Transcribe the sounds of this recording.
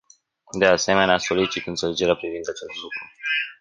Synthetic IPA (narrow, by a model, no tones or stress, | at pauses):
d̪e̞ase̞me̞neaso̞lit͡ʃit̪ɨnt̪seled͡ʒe̞ɾeapɾivind̪at͡ʃe̞st̪lukɾu